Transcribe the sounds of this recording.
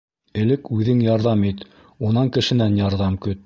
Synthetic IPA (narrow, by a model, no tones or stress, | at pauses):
ɘ̆lɘkʉðɘŋjɑɾðɑmit̪ | unɑŋkɘ̆ʃɘ̆nænjɑɾðɑmkɵt̪